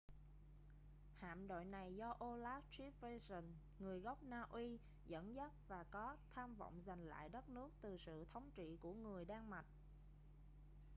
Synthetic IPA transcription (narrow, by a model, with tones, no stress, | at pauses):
ha̰ː˧˨mɗo̰˧˨jna˨˩jzɔ˧ʔo˧laː˦˥p̚t͡ɕi˦˥p̚ve˧sə˨˩n | ŋɨ˨˩əjɣa˦˥wk͡p̚naː˧ʔi˧ | zə̰˧˥nzə˦˥t̚vaː˨˩kɔ˨˦t̪ʰaː˧mvə̰˧˨wŋ͡mza˨˩jŋ̟la̰ː˧˨jɗə˦˥t̚nɨ˦˥ək̚t̪ɨ˨˩sɨ̰˧˨t̪ʰə˨˦wŋ͡mt͡ɕḭ˧˨ku˧˩əŋɨ˨˩əjɗaː˧ŋma˨˩t̚